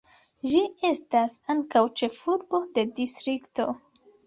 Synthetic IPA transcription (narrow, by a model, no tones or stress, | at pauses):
ʒie̞stasaŋkawt͡ʃe̞fuɾbo̞de̞distɾikto̞̰